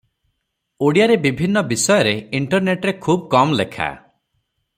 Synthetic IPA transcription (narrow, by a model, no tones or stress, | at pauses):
oɽijaɾebibʱinːɔbisɔjɔɾeiɳʈɔɾneʈɾekʰubkɔmlekʰa̰